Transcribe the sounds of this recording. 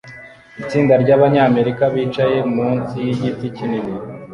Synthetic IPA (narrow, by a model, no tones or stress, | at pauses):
it͡siːndaɾɟaːβaɲaːme̞ɾikaβiːt͡ʃaje̞muːnzijiɟiticinini